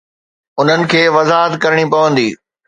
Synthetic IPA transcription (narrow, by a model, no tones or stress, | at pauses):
ʊn̤ənɪ̆kʰeːʋɐzaːɦət̪kɐɾɪɽ̃ipɐʋə̃nd̪iː